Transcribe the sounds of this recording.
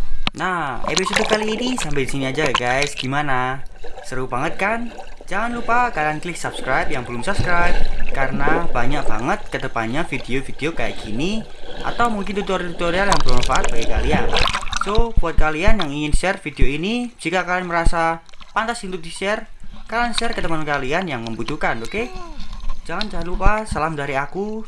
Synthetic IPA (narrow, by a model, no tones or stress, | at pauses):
nahḛpisod̪ukaliːnisampɛdisiniad͡ʒaaɡajsɡ̥imanasəɾubaŋət̪̚kand͡ʒaŋanlupakalianklɪk̚sap̚skɾajp̚jaŋbəlʊmsup̚skɾajp̚kaɾənabaɲak̚b̥aŋət̪̚kət̪əpaɲafideofideokaja̰ʔkʰini | ʔa̰t̪awmuŋkɪnt̪ut̪oɾt̪ut̪oɾialjaŋbərwanfaʔat̪̚b̥aɡikaliansob̥uat̪̚kalianjaŋiŋɪnʃɛrfideoinid͡ʒikakalanməɾasapant̪asint̪ud̪isɛrkalanʃɛrkət̪əpankalianjaŋməmbut̪ukanoke | d͡ʒaŋand͡ʒaŋanlupasalamdaɾiaku